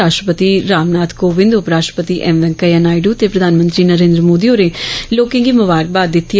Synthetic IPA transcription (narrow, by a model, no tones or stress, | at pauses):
aːʃʈɾəpət̪iɾaːmnaːt̪koːʋɪ̃nd̪ʊpɾaːʃʈɾəpət̪iʔɛmʋɛ̃ŋkəjanaːɪɖut̪epɾəd̪ʱaːnmə̃nt̪ɾiːnəɾẽːnd̪ɾəmoːd̪ioːɾeloːkɪ̃ŋɡimʊʋaːɾk̚baːd̪ːɪt̪ʰːi